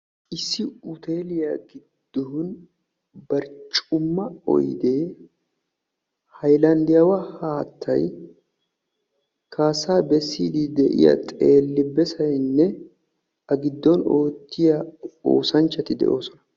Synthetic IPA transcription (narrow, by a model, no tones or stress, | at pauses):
ʔɪsːɪʊt̪eːlɪjɐɡɪd̪̥ːoʊn | bɐɾt͡ʃʼʊmːɐɔ̰jd̪e̞ː | hɐjlɐnd̪ɪjɐwɐhaːt̪ʰːɐ̰j | kʰaːsaːbɛsːiːd̪ɪd̪ɛʔɪ̰jɐ̰t̪ʼeːlːɪbːɛsɐjnːɛ | ʔɐɡɪd̪ːɔno̞ːt̪ːɪjɐo̰ːsɐnt͡ʃːɐt̪ɪd̪ɛ̰ʔo̞ːsɔnɐ